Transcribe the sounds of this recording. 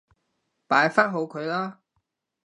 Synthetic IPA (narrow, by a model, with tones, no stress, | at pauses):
paː˨˥jfaː˥nɦo˨˧wkʰɵ˨˧ɥlaː˥